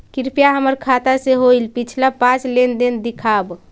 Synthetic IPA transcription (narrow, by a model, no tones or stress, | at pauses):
kiɾpijaɦəməɾkʰat̪aseɦojlpit͡ʃʰlapãt͡ʃlend̪end̪ikʰab